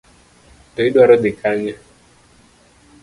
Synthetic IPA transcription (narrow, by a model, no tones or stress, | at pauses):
t̪ɔiɗwaɾɔd̪ikʰaɲa